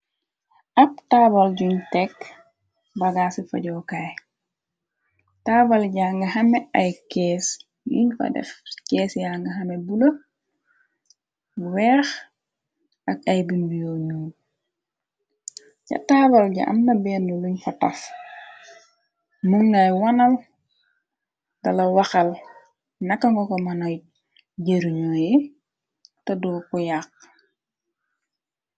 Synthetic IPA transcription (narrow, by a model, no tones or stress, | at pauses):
ʔɐp̚taːbɐlɟuɲtɛk | bɐɡasifɐɟɔːkaj | taːbɐlɟaːŋɡɐhɐmɛɐjkɛːs | jṵɲfɐ̰dɛ̰fkɛːsjaŋɡɐɦɐmɛbulɐ | wɛːx | ʔɐk̚ɐjbinwijoːɲuːn | ɟɐ̰taːbɐlɟa̰ʔɐ̰mnɐbɛːnːuluɲkɔtɐf | muŋːɐjwɐnɐl | dɐlɐwɐxɐl | nɐkːɐŋɡɔkɔmɐnɐj | ɟeɾiɲoːjɛ | tɐdɔkɔjaq̚